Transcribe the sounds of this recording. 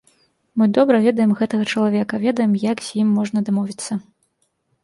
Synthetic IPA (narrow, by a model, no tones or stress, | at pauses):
mɨd̪ɔbɾɐvʲɛd̪ɐjɛmɣɛt̪ɐɣɐt͡ʂɐlˠavʲɛkɐvʲɛd̪ɐjɛmjakz̥ʲjimːɔʐnɐd̪amɔvʲit̪sːɐ